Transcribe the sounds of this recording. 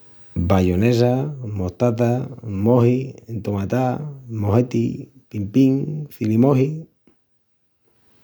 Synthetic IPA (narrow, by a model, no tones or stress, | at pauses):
bajones̬amoht̪at̪̬amoɦint̪omat̪amoɦet̪ḭ | pimpiŋθilimoɦi